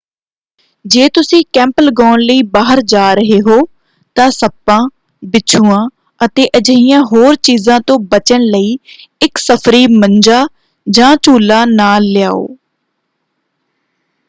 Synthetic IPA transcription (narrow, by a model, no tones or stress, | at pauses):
d͡ʒeːt̪ʊsĩːkɛ̃ːmpəlɡɔːnləiːbaːɦəɾd͡ʒaːɾəɦeːɦoː | t̪ãːsəpːãː | bɪt͡ʃʰuːãː | ət̪eːʔəd͡ʒəijãːɦoːɾt͡ʃiːzãːt̪õːbət͡ʃəɳləiːɪksəpʰɾiːməɲd͡ʒaː | d͡ʒãːt͡ʃuːlaːnaːlːɪja̰ːo̰ː